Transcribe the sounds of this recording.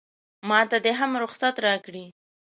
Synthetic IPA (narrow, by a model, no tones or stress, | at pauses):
mɑt̪ad̪əɦamɾʊxsat̪ɾɑkɽi